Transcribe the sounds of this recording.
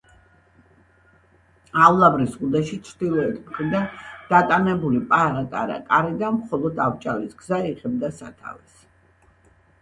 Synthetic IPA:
avlˠabɾisʁud̪ɛʃit͡ʃʰɾd̪ilˠɔɛt̪ʰmχɾid̪and̪̥at̪ʼanɛbulipʼaʁakʼaɾa̰kʼaɾid̪amχɔlˠɔd̪avt͡ʃʼalisɡzaiʁɛb̚d̪asa̰t̪ʰa̰vɛs

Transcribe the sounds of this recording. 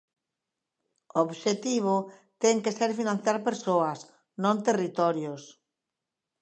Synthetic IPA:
ooβʃet̪iβ̞ot̪ɛŋkeseɾfinãn̟θjaɾpeɾsoɐs | nõnt̪erit̪ɔɾjos

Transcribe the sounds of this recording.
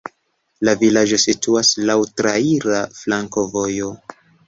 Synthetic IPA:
lavilad͡ʒo̞situaslawtɾaiɾaflaŋko̞vo̞jo̞

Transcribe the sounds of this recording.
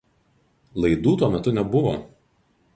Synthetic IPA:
lˠɐɪd̪uːt̪uɔmʲɛt̪ʊnʲɛbʊʋo̰

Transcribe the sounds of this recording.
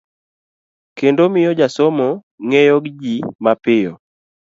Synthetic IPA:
kendomɪjɔd͡ʒasomo | ŋejoɡd͡ʒimapɪjɔ̰

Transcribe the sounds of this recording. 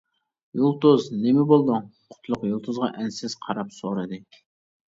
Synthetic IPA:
julˠt̪oznɪmɪbolˠd̪ʊŋqʰʊ̥t̪ʰlˠʊqjulˠt̪ʰozʁɑʔɛnsɪz̥qʰɑɾɑpsoɾɨd̪ɨ

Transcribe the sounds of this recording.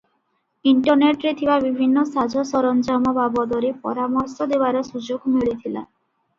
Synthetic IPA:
iɳʈɔɾneʈɾet̪ʰibabibʱinːɔsad͡ʒɔsɔɾɔnd͡ʒɔmɔbabɔd̪ɔɾepɔ̰ɾamɔɾsɔd̪ebaɾɔsud͡ʒoɡmiɭit̪ʰila̰

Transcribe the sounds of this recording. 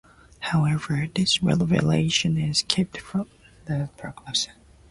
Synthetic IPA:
haʊɛvə˞ðɪsɹɛ̰lˠvɨ̰lḛɪʃɨ̃nɪz̥kʰɛp̚tfɹʌ̃m | ðɨpʰɹ̥ɛɡ̥lɛs

